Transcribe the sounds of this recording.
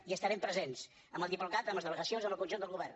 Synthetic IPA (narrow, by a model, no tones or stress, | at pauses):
iəst̪əɾɛmpɾəzens | əməlˠd̪iplukat̪əmləzðələɣəsionzəmbəlˠkunʒund̪əlˠɣuβɛrn